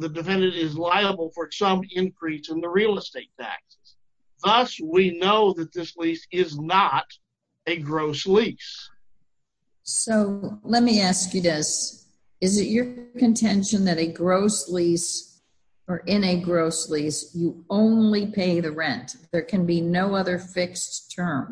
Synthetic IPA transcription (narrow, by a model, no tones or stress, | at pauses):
ðɨdɨfɛ̃ndɨ̃nɾɪzlaɪəbl̩ˠfə˞sʌ̃mɪ̃nkʰɹ̥isɨ̃nðəɹilˠəsteɪtʰæ̰ksɨ̥z̥ | ðʌswinoʊðɨt̪̚ðɪslisɪznəɾ | ɨɡɹoʊslis | soʊlɛt̚miæskjɨðɪs | ɨzɨt͡ʃə˞kɨ̃ntʰɛ̃nʃɨ̃nðɨɾɨɡɹoʊslis | ə˞ʔɪ̃nɨɡɹoʊslisjɨõʊ̃nlipʰeɪðɨɹɛ̃nðə˞kʰɨ̃nbinoʊʌðə˞fɪkstʰɜ̃˞m